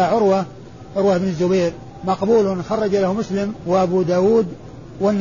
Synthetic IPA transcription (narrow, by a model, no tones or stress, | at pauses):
aʕʊɾwa | ʕʊɾwaʔɪbnɪzːʊbejɾ | mɑqbuːlʊnxɑrˤːɑd͡ʒalahmʊslɪmwaʔabuːd̪aːwuːd̪ | wanː